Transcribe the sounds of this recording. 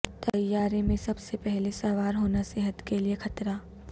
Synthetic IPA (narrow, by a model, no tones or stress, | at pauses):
t̪ɐjːaːɾemẽsɐbsepɛɦlesɐʋaːɾɦoːnaseːɦət̪keliexɐt̪ɾaː